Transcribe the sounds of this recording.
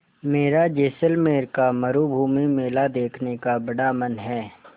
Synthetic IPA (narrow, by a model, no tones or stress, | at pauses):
meːɾad͡ʒeːsəlmeːɾkamɐɾubʱuːmimeːlad̪eːkʰnekabɐɽaːmənɦɛː